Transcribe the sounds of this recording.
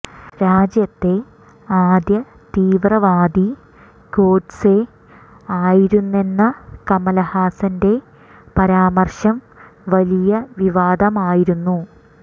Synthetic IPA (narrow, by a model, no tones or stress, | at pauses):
ɾaːd͡ʑjɐt̪ːe̞ | aːd̪jɐ | t̪iːʋrɐʋaːd̪i | ko̞ːɖse | aːjiɾunːe̞nːɐkɐmɐlɐhaːsɐnde̞ | pɐɾaːmɐrɕɐm | ʋɐlijɐʋiʋaːd̪ɐmaːjiɾunːu